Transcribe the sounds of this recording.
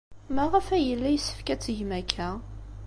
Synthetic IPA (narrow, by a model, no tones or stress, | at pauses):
mæʁəfæjəlːæjsə̥fkæt͡sːəʝmækʰːæ